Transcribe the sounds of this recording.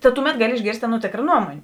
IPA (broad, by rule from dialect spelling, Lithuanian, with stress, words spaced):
tɐ ˈtʊˌmʲɛt ˈɡɑːˌlʲɪ ɪʒʲˈɡʲeːrʲsʲtʲ ˈɑːˌnuɔ ˈtʲeːkrɐ ˈnuɔmoːnʲeː